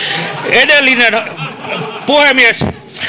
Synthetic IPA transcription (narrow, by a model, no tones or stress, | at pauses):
edelːinen | puhemies